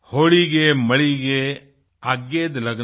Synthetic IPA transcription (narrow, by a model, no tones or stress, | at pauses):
hoːɭiɡemɐɭiɡe | aːɡːeːd̪lɐɡ